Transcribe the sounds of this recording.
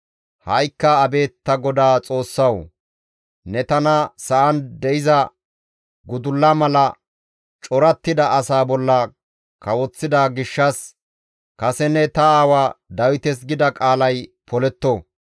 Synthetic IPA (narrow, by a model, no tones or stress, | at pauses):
hɐjkːɐːbe̞ːt̪ːɐɡɔd̪aːt͡sʼo̞ːsːɐw | nɛt̪ɐnɐsɐʔɐnd̪ɛɪzɐ | ɡʊd̪ʊlːɐmɐlɐ | t͡ʃʼɔɾɐt̪ːɪd̪ɐʔɐsaːbɔlːɐ | kɐwɔt͡sːɪd̪aːɡɪʃːɐs | kɐsɛnɛt̪ɐaːwaːd̪ɐwɪt̪ɛs̬ɡɪd̪ɐkʼaːlɐjpɔlɛt̪ːo